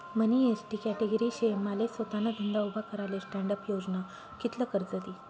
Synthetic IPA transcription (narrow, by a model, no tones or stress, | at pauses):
məniesʈikɛʈeɡəɾiɕemalesʋət̪anəd̪ʱənd̪aubʱakəɾalesʈæɳɖəpjod͡zna | kit̪ləkəɾd͡zəd̪i